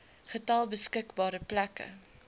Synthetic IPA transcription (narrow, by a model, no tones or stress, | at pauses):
χətɐlˠbəskəkbɑːɾəplækə̰